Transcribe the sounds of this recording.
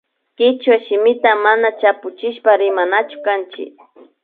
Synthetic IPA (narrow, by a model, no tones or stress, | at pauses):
kɪt͡ʃwaʃɪmɪt̪amanat͡ʃapʊt͡ʃɪʃpaɾɪmanat͡ʃʊ̥kant͡ʃɪ̰k